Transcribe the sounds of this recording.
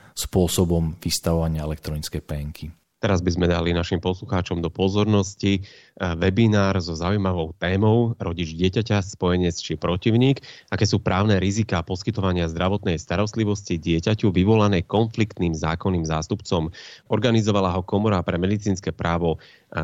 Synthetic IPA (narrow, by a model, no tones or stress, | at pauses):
spʊɔsɔbɔmʋist̪aʋɔʋaɲɪaɛlɛk̚t̪ɾɔnit͡skɛjpɛŋkʰi | t̪ɛɾazbizmɛd̪alinaʃimpɔsluxaːt͡ʃɔmd̪ɔpɔzɔɾnɔsci | ʋɛbinaːɾzɔzaujmaʋɔʊt̪ɛːmɔʊɾɔɟid͡ʒɟɪɛcacaspɔjɛɲɛt͡st͡ʃipɾɔciʊɲiːɡakɛːsuːpɾʔaːʊnɛːɾizikaːpɔskit̪ɔʋaɲɪazd̪ɾʔaʋɔt̪nɛjst̪aɾɔst̪liʋɔsciɟɪɛcacuʋiʋɔlanɛːkɔnflikt̪niːmza̰ːkɔnːiːmzaːst̪upt͡sɔmɔɾɡanizɔʋalaːɦɔkɔmɔɾapɾɛmɛd̪it͡siːnskɛpɾʔaːʋɔ